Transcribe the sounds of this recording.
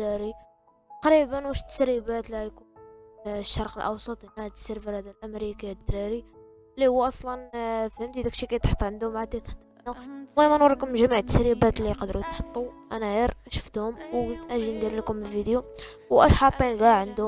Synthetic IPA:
ɾæɾi | qɾibənwəʃt̪ːə̥sɾibæt̪liæjkun | ʃːɑɾˤqəlʔɑ̰wsˤɑt̪ˤnæt̪siɾfəɾhæd̪ælʔæmɾikid̪ɾæɾi | lːihʊwːæʔɑsˤlɑnfəhəmt̪id̪ækʃikæjt̪ħt̪ˤːʕənd̪hʊmʕat̪ːit̪ħt̪ˤː | næmæmænwɑɾˤːkʊmʒæmiʕət̪ːə̥sɾibæt̪liqɑd̪ɾut̪ħət̪ˤːuʔænæjəɾʔæʃə̥ft̪hʊmwt̪ʔæʒind̪illkʊməlvid̪ju | wʔæ̰ʃħɑt̪ˤːinɡæʕənd̪hʊ

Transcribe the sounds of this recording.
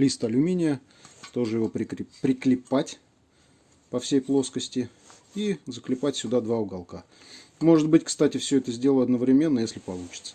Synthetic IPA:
lʲist̪əɐlʲʊmʲinʲɪjə | t̪o̞ʐɨjɪvo̞pɾʲɪkɾʲɪpɾʲɪklʲɪpatʲ | pɐfsʲejplˠo̞skəsʲtʲɪ | izəklʲɪpatʲsʲʊd̪ad̪vaʊɡɐlˠka | mo̞ʐɨt̪̚bɨtʲkst̪atʲɪfsʲɵɛt̪əzʲdʲelələɐd̪nəvɾʲɪmʲe̞nːəjesʲlʲɪpɐlˠut͡ɕɪ̥t̪sə̥

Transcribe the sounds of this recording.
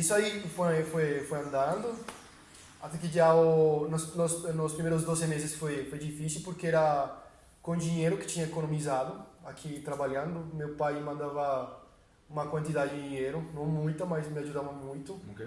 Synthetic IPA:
isʊaifojfojfojãnd̪ãnd̪ʊ | at̪ekɪd͡ʒaonosnosnospɾimeɾozd̪ozemezesfojfojd͡ʒifisiwpoɾkeɛɾɐ | kõd͡ʒiɲeɾʊkɪ̥t͡ʃ̪ĩɲɐekonõmizaðʊakʰit̪ɾaβaʎãnd̪ʊmewpajmãnd̪avɐ | ũmɐkwãnt̪id̪add͡ʒɪd͡ʒiɲeɾʊnõmũjt̪ɐmajsmeaʒud̪avɐmũjt̪ʊ

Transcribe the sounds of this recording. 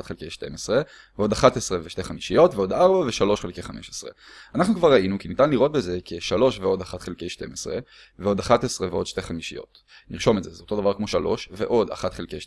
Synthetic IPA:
atχelkejʃte̞̰mesʁe | veo̞d̪aχatesʁeveʃteχamiʃijo̞tveo̞d̪aʁbaveʃalo̞ʃχelkejχamḛʃesʁe̞̰ | anaχnukvaʁainukinitanliʁo̞t̚be̞ze̞kʰeʃalo̞ʃveodaχat̪χelke̞jʃte̞̰mesʁe | veo̞daχatesʁeveo̞d̥̪ʃte̞χamiʃijo̞̰t | niʁʃo̞metzezeot̪o̞d̪avaʁkmo̞ʃalo̞̰ʃve̞̰ʔo̞da̰χatχelkej

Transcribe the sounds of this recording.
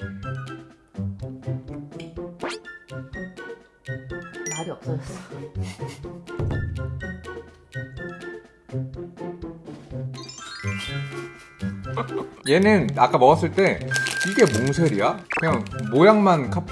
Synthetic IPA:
maɾiʌp̚s͈ʌʌs͈ | je̞nɯnak͈amʌɣʌs͈ɯɭt͈e̞iɡe̞moŋsʰʌɾijakɯɲaŋmojaŋmankʰapʰ

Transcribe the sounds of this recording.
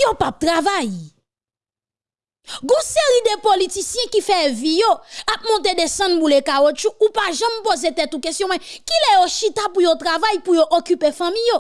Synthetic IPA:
jopap̚t̪ʁavaj | ɡɔ̃seʁid̪epolitisjɛ̃kifɛvijoap̚mɔ̃t̪ed̪esãnbulekawot͡ʃuupaʒãmpozet̪ɛt̪ukestjɔ̃mɛ̃kilɛjoʃit̪apujot̪ʁavajpujoʔokypefãmĩjo

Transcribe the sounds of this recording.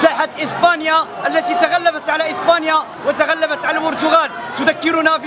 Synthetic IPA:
saːħaʔɪsbaːnjaʔalːat̪it̪aɣalːabat̪ʕalaʔɪsbaːnja | wɪt̪aɣalːabat̪ʕalabʊɾt̪ʊɣaːl | t̪ʊd̪akːɪɾʊnaf

